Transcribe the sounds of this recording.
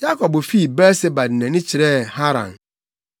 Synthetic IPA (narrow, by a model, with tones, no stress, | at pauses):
d͡ʒa˦kɔ˨bo˨fi˦˨be˦ɾse˦ba˨dne˨ni˦t͡ʃi˨ɾe˦˨ha˦ɾa̰˨n˨